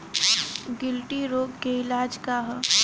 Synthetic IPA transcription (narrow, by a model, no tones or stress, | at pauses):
ɡɪlʈiɾoːɡkeɪlaːd͡ʒkaɦ